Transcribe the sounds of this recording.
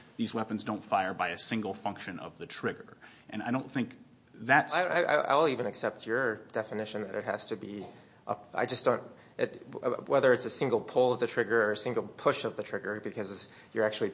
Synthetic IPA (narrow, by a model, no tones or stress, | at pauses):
ðizwɛpɨ̃n̩zdõʊ̃ntfaɪə˞baɪɨsɪ̃ŋɡl̩ˠfʌ̃ŋkʃɨ̃nʌ̰vðɨtʰɹ̥ɪɡə˞ | ʔɨ̃naɪɾõʊ̃nθɪ̃ŋk̚ | ðɨtaɪ̃a̰ɪʔa̰ɪʔa̰ɪwl̩ˠivɨ̃nɨksɛp̚t͡ʃə˞d̥ɛfɨnɪʃɨ̃nðɨɾɨ̰t̚hæ̰z̥tɨbi | ʔə̰a̰ɪd͡ʒʌsd̥õʊ̃nt̚ | ɨtwɛðə˞ɨtsɨsɪ̃ŋɡl̩ˠpʰʊlˠʌvðɨtʰɹ̥ɪɡə˞ə˞ɨsɪ̃ŋɡl̩ˠpʰʊʃʌvðɨtʰɹ̥ɪɡə˞bɨkʰʌzɨ | jə˞æk̚t͡ʃʉl̩ˠi